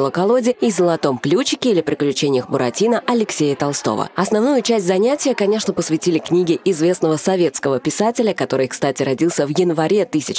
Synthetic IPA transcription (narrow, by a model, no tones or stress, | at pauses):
lˠəkɐlˠo̞dʲɪizəlˠɐt̪o̞mklʲut͡ɕɪkʲɪilʲɪpɾʲɪklʲʉt͡ɕenʲɪjəxbʊɾɐtʲinəʔɐlʲɪksʲejət̪ɐlˠst̪o̞̰və̰ɐsnɐvn̪ujʊt͡ɕæsʲtʲzɐnʲætʲɪjəkɐnʲe̞ʂnəpəsvʲɪtʲilʲɪknʲiɡʲɪʔɪzvʲe̞snəvəsɐvʲe̞t̪skəvəpʲɪsatʲɪlʲəkɐt̪o̞ɾɨjkst̪atʲɪɾɐdʲilˠsʲəvjɪnvɐɾʲe̞t̪ɨsʲɪt͡ɕ